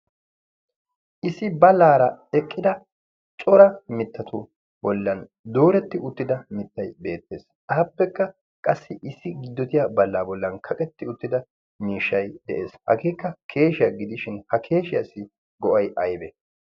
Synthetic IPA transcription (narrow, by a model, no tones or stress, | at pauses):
ʔɪsɪbɐlaːɾɐɛkʼːɪd̪ɐ | t͡ʃʼɔɾɐmɪt̪ːɐt̪ʊ | bɔlːɐn | d̪o̞ːɾɛt̪ːɪʊt̪ːɪd̪ɐmɪt̪ːɐjbe̞ːt̪ːe̞̰ːs | ʔaːpːɛkːɐ | kʼɐsːɪʔɪsːɪɡɪd̪ːɔt̪ɪjabɐlːaːbɔlːɐnkʰɐkʼɛt̪ːɪʊt̪ːɪd̪ɐ | miːʃːɐjd̪ɛʔe̞̰ːshɐ̰ɡeːkːɐkʰe̞ːʃɪjaɡɪd̪ɪʃɪnhɐkʰe̞ːʃɪjasːɪ | ɡɔʔɐjʔɐjbɛ